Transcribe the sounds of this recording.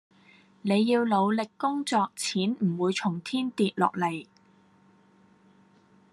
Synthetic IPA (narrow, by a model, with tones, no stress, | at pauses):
ne˨˧jːiː˧wlo˨˧wlɪ˨kːʊ˥ŋt͡sɔː˧k̚t͡sʰiː˨˥nm̩˨˩wuː˨˧jt͡sʰʊ˨˩ŋt̪ʰiː˥nt̪iː˨t̚lɔ̰ː˨k̚le˨˩j